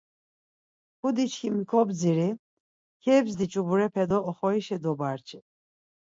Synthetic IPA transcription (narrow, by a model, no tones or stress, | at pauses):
kud̪it͡ʃʰkʰimikʰɔbd͡ziɾi | kʰɛbzd̪it͡ʃʼubuɾɛpʰɛd̪ɔːχɔiʃɛd̪ɔbaɾt͡ʃʰʼi